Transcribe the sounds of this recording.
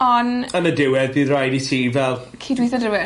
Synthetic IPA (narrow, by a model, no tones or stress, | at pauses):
ɔnənədɪwɛðiɾajdisʰiːvɛlˠ | kʰiːdwiθɔdɪwɛ